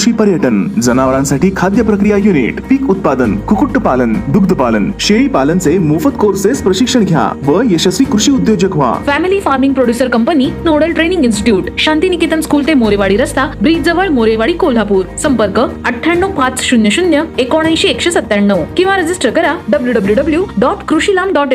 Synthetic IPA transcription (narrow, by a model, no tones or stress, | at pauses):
ɕʋiːpəɾjəʈənd͡zənaʋəɭãnsaʈiːkʰad̪jəpɾəkɾijajunḭʈpiːkut̪̚pad̪ənkʰukuʈːəpalənd̪uɡd̪ʱəpalənɕeɭiːpalənt͡semufət̪̚koɾsespɾəɕikʂəɳɡʱja̰ʋəjəɕəsʋiːkɾuɕiːud̪jod͡ʑəkʋa̰fæmilifaɾmĩŋɡpɾoɽjusəɾkəmpəninoɽəlʈɾenĩŋɡinsʈi̥ʈjuːʈɕãnt̪inikit̪ənskuːlt̪emoɾeʋaɭiːɾəst̪abɾid͡zəʋəɭmoɾeʋaɽikol̤apuːɾsəmpəɾkəəʈʰːjaɳːəwpat͡sɕunjəɕunjəekoɽ̃ãjɕeːkɕesət̪ːjaɳːəwkĩw̃ʋaɾəd͡zisʈəɾkəɾaɖəbljuɖəbljuɖəbljuɖɔʈkɾuɕilamɖɔʈe